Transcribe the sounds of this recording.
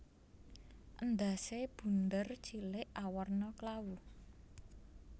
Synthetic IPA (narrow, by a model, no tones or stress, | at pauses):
ʔənd̪aseb̥ṳnd̪ərt͡ʃilɪʔawɔrnɔklawu